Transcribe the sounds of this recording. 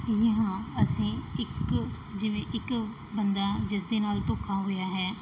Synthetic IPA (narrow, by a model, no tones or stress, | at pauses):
jəɦãːəsĩːɪk | d͡ʒɪʋẽːʔɪk | bənd̪aːd͡ʒɪs̬d̪eːnaːlt̪oːkʰːaːɦoːjaːɦɛː